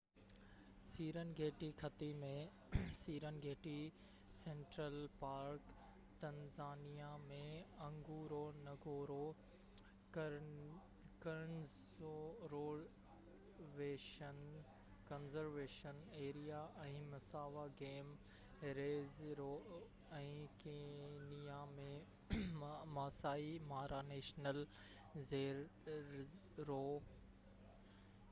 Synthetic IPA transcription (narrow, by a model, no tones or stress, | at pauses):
siːɾənɡʱeːʈikʰɐt̪imẽ | siːɾənɡʱeːʈi | sẽːɳʈɾəlpaːɾk | t̪ɐ̃nzaːnijamẽɐ̃ŋɡuːɾonɐɡoːɾo | kɐɾənɪ | oɾoːɖ | ʋeːʃən | kɐnzəɾʋeːʃəneːɾijaʔɛ̃ːmɐsaːʋaɡeːm | ɾeːzɾo | ɛ̃ːkeːnijamẽ | maːsaːimaːɾʔaneːʃnəl | zeːɾ | ɾoː